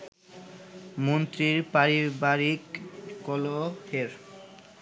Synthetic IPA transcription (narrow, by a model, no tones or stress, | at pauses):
mont̪ɾiɾpaɾibaɾikːɔloheɾ